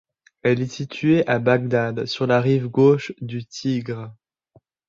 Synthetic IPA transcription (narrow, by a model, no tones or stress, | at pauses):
ɛlɛsit̪ʰɥeʔabaɡ̚d̪ad̪syʁlaʁivɡoʃd̪yt̪ʰiɡʁ